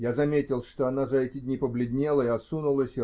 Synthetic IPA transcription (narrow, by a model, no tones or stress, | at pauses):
jazɐmʲetʲɪlˠʂt̪oɐn̪azɐɛtʲɪdʲnʲipəblʲɪdʲnʲelˠəɪɐt̪sunʊlˠəsʲɪ